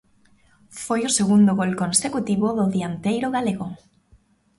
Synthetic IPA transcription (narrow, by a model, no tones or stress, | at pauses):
fojʊseɣund̪oɣolkonsekut̪iβoðʊðiant̪ejɾoɣaleɣo